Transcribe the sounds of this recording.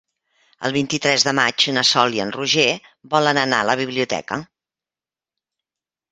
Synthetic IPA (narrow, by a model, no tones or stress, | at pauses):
ə̰lˠβ̞int̪it̪ɾɛzðəmad͡ʒunəsɔliənruʒeβɔlənəna̰ələβ̞iβliut̪ɛ̰kə